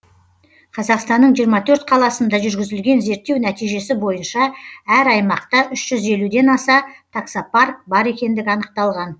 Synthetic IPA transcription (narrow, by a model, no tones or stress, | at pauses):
qʰɑzɑqst̪ɑnːəɴʒijəɾmɑt̪ʰɵɾt̪qʰɑlˠɑsənd̪ɑʒʏɾɡʲɪzɪlɡʲe̞nze̞ɾt̪ːewnæt̪ijʒe̞sɪbo̞jənʃɑæɾɑjmɑqt̪ɑʔʏʃʒ̥ʏze̞lud̪e̞nɑsɑt̪ʰaksapark̚bɑɾe̞kʲe̞nd̪ɪɡʲɪɑnəq̚t̪ɑlˠʁɑn